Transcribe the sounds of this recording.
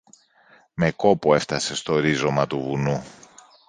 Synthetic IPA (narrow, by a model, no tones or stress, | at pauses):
me̞ko̞pue̞ft̪ɐse̞st̪o̞ɾizo̞mɐt̪uvunu